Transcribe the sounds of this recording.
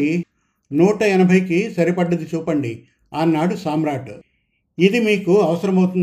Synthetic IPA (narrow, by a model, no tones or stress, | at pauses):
nuːʈɐɛnɐbʱɐjkisɐɾipɐɖːɐd̪it͡ʃuːpɐɳɖi | aːnːaːɽusaːmɾaːʈ | id̪imiːkuɐʋɐsɐɾɐmɐwt̪un